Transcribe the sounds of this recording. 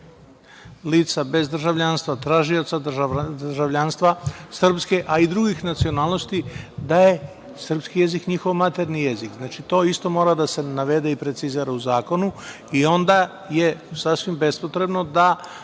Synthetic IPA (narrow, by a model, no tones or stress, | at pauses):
liːt̪sabe̞zd̪r̩ʒaʋʎanst̪ʋat̪ɾaːʒio̞t̪sad̪r̩ʒaʋʎaːnst̪ʋasr̩pske̞ʔaid̪ɾuɡixnat̪sio̞naːlˠnost̪id̪aje̞ | sr̩pskije̞zikɲixo̞ʋmat̪eɾnijezikznat͡ʃit̪o̞ist̪o̞mo̞ːɾad̪ase̞naʋe̞d̪eipɾe̞t̪siziɾauzaːko̞nu | io̞nd̪a | je̞sasʋimbe̞spo̞t̪ɾe̞bno̞d̪a